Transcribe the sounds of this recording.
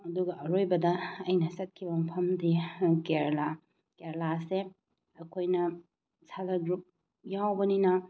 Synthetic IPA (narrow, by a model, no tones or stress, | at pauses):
ɐduɡɐʔɐɾojbɐdɐɐjnɐsɐt̚kʰibɐmpʰɐmdikeɾla | keɾlase | ɐkʰojnɐ | salɐɡɾup̚ | jawbɐninɐ